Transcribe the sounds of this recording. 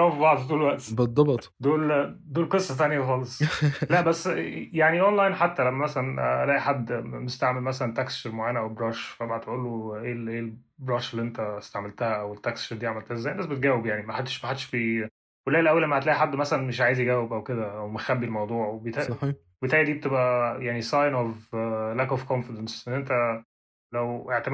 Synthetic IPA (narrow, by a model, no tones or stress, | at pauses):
æwefibɑʕd̪ˤfit̪uːlwæʔt̪bed̪ˤːɑbet̪ˤd̪oːld̪oːlqesˤːɑt̪ænjæxɑːlesˤlæʔbæsːjaʕniʔonlajnħat̪ːælæmːæmæsælænæ̰læːʔiħad̪ːmest̪aʕmelmæsælænt̪æksʃeɾmoʕaːnæʔæwebɾˤɑːʃfæmæhæt̪ʔuːlːoʔelʔeːbɾˤɑːʃelːiʔent̪æst̪aʕmelt̪æhæʔæwet̪ːækst͡ʃeɾd̪iʕameælt̪æhæzːæjnbæsbet̪ɡæːwebjaʕnimæħad̪ːe̥ʃmæħad̪ːeʃfi | welːæʔelʔæwːelːʔæmːæhæt̪læːʔiħad̪ːmæsælænmeʃʕaːjezjeɡæːwːebʔæwked̪æʔæwmexæbːilmɑwd̪ˤuːʕwebet̪æ | ebet̪æʕjæd̪iːbet̪ebʔæjaʕnisˤɑjnoflækofkonfed̪ænsʔenːʔent̪æ | læweʕt̪æ